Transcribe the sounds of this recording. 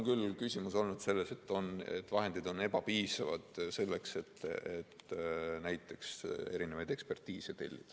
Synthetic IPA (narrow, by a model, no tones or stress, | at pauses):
nkylkysʲimuso̞lnud̪̥se̞lːe̞se̞t̪ːˑo̞ne̞̰t̪ːˑvɑɦe̞nd̪̥id̪o̞ne̞bɑpiːsɑvɑd̪̥se̞lːe̞kse̞t̪ːet̪næjt̪ːˑe̞kse̞ɾinevɑjd̪e̞kspe̞rt̪iːset̪e̞̰lʲːid̪̥